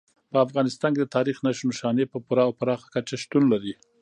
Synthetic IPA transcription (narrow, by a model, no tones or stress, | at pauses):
pəafɣɑnɪst̪ɑnked̪ət̪ɑɾixnaʃnuʃɑnepəpuɾɑawpəɾɑxḁkat͡ʃaʃt̪unlaɾi